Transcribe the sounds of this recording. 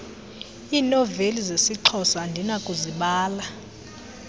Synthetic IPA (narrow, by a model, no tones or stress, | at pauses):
iːnɔvelizesiǃʰɔsandʱinakʼuziɓaːla